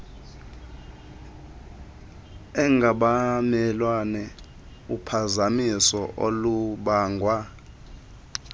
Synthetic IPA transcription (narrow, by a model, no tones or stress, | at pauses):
ɛŋɡʱaɓamɛlwanɛ | upʰazamisɔʔo̰luɓaːŋɡʱwa